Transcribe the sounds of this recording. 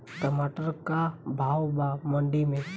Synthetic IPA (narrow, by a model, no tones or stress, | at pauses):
kəmaːʈəɾkabʱaːwbamə̃ɳɖimẽ